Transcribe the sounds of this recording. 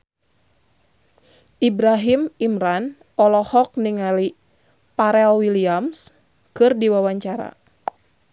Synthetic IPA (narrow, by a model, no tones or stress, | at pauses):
ʔibɾaɦimimɾan | ɔlɔhɔk̚niŋali | paɾɛlwiliams | kɨrdiwawaɲt͡ʃaɾa̰